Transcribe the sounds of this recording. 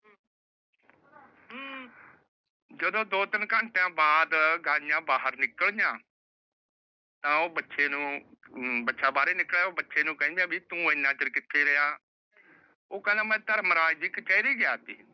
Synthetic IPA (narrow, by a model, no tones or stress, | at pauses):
d͡ʒəd̪õːd̪oːt̪ɪnkə̃ɳʈãːbaːd̪ɡãːjãːbaːɦəɾnɪkːəɭjãː | t̪ãːoːbətːʃʰeːnũː | bətːʃʰaːbaːɾeːnɪkːlaːoːbətːʃʰeːnũːkɛ̃ĩːd̪aːbiːt̪ũːɪnːãːt͡ʃəɾkɪt̪ʰːeːɾɪjaː | oːkɛ̃ːnd̪eːmɛ̃ːt̪əɾmɾaːd͡ʒikt͡ʃaːiɾiːɡjaːt̪ḭː